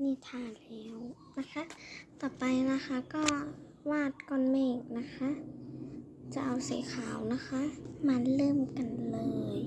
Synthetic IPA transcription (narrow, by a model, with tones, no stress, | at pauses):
niː˧˩˨t̪ʰaː˧˩˨nlɛː˧˥w | na˧˥xʰa˦˥ʔt̪ɔː˧˩pa˧jna˧˥xʰa˧˥kɔː˧˥˩ | waː˥˩t̪̚kɔː˧˨nmɛː˧˩k̚na˧˥xʰa˦˥ʔ | t͡ɕa˧˩ʔa˧wsa̰˨˦kʰaː˨˩˦wna˧˥xʰa˦˥ʔma˧˨nlɤː˧˥˨mka˨nlɤː˧j